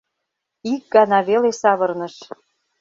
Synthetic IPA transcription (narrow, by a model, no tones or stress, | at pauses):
ik̚ɡɑnɑβelesɑβɤ̆rnɤ̆ʃ